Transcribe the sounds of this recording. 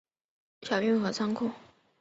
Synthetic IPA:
ɕjɑ˨˩ʊy˥nxɤ˧˥t͡sʰɑ˥ŋkʰʊ˥˩ŋ

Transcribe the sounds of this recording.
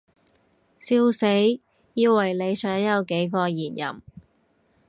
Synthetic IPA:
siː˧wse˨˥j | jiː˧wwɐ˨˩jle˨˧jsœː˨˥ŋjɐ˨˧wke˨˥jkɔː˧jiː˨˩n̚jɐ̰˨˩m

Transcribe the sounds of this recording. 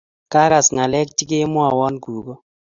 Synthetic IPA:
ka˦ɾa˨sŋa˨lɛ˦kt͡ʃi˦ke˦mwa˨wɔ˦nɡu˨ɡo˦

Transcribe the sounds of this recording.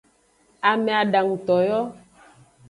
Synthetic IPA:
a˨me˨a˨ɖa˨ŋ̩˨t̪ɔ˨jɔ˦

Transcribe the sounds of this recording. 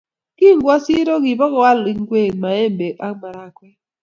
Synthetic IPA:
ki˦˨ŋ˦ɡwa˦si˦ɾo˦k̬i˨bɔ˦kɔ˦wa˦li˨ŋ˦ɡwe˦˨ma˨e˦˨m˨be˨k̚a˦ma˨ɾa˨kwɛ˦

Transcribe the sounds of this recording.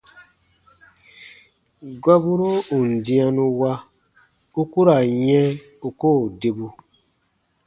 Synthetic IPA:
ɡa˦bu˦ɾo˦u˨n̩˨dĩ˦a˧nũ˧wa˦ | u˦ku˦ɾa˨jɛ̃˦ | u˦koː˦˨de˨bu˧

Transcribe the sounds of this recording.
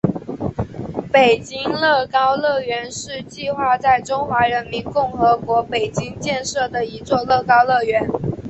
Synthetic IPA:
pe˨˩ɪt͡ɕi˥ŋlɤ˥˩kɑ˥ʊlɤ˥˩ɥɛ˧˥nʂɻ̩˥˧t͡ɕi˥˧xwa˥˧t͡sa˥˩ɪʈ͡ʂʊ˥ŋxwa˧˥ɻə˧˥nmi˧˥nkʊ˥˩ŋxɤ˧˥kwɔ˧˥pe˨˩ɪt͡ɕi˥ŋt͡ɕjɛ˥˧nʂɤ˥˩d̪ə˩i˧˥t͡swɔ˥˧lɤ˥˩kɑ˥ʊlɤ˥˩ɥɛ˧˥n

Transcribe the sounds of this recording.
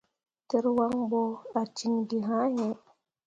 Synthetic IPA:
te˨ɾwa˦ŋbo˦a˨t͡ʃi˦ŋdi˨ɦa˦ɲe˦

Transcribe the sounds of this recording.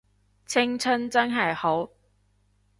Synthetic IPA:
t͡sʰɪ˥ŋt͡sʰɵ˥nt͡sɐ˥nɦɐ˨jho˨˥w

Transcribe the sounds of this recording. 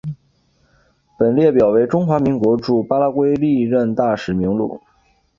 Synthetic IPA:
pə˨˩nljɛ˥˩pjɑ˨˩ʊwe˧˥ɪʈ͡ʂʊ˥ŋxwa˧˥mi˧˥ŋkwɔ˧˥ʈ͡ʂu˥˩pa˥la˥kwe˥ɪli˥˧ɻə˥˧nt̪a˥˩ʂɻ̩˨˩mi˧˥ŋlṵ˥˩˦

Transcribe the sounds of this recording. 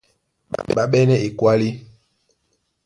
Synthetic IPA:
ɓa̰˨ɓa˦ɓɛ˦nɛ˦ʔe˨kwa˦li˦

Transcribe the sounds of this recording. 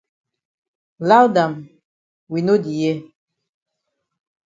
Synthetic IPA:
la˦wda˨m | wi˨no˦di˨jɛ˦˨

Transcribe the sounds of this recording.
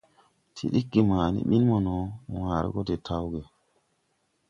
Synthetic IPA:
tʰḭ˨ɗi˦kːi˨maː˨nḭ˦ɓi˦nmo˨no˨wãː˨ɾḛ˦ɡo˦de˨tʰa˦wɡe˨

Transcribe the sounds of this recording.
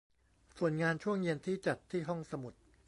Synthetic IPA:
su˨˩ənŋaː˧nt͡ɕʰu˥˩əŋje˧nt̪ʰiː˥˩t͡ɕa˨˩t̪ʰːiː˥˩ɦɔ˥˩ŋsa˧mu˨˩t̪̚

